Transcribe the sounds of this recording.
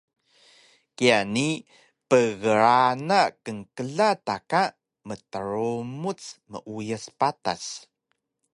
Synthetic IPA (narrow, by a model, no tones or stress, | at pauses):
kiani | pəɣəɾanakəŋkəɮataka | mətəɾumut͡smə̰ʔujəspata̰s